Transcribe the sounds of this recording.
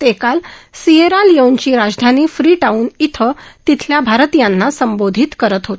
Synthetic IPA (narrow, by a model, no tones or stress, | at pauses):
t̪ekalsieɾaljewɲt͡ɕiːɾad͡zd̪ʱaniːfɾiːʈauːnit̪ʰət̪it̪ʰljabʱaɾt̪ijanːasəmbod̪ʱit̪kəɾət̪ɦot̪